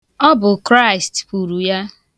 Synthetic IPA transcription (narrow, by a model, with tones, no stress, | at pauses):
ɔ˦bʊ˨kɾa˦ɪ˨stpu˨ɾu˨ja˦